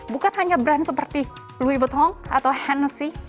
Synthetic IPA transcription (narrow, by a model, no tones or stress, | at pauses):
bukanɦaɲabɾansəpərt̪i | luibət̪hɔŋa̰t̪awhɛnəsi